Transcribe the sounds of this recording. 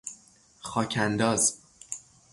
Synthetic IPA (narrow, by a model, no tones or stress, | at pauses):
xɒːcʰænd̪ɒːz